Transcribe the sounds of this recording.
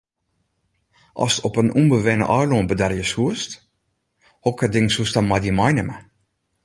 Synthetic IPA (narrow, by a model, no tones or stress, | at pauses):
ʔɔ̰sɔpənumbəʋɛnə̰ʔɑjloənbədɛrjəshuəst | hɔkədɪŋsustamadəmajnəmə